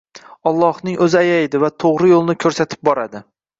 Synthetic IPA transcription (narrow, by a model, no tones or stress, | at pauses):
ɒlˠːɒhnɪŋʔɵzɪajajd̪ɪvat̪ʰoʁɾɪjolˠnɪkʰɵɾsat̪ʰɪ̥p̚bɒɾad̪ɪ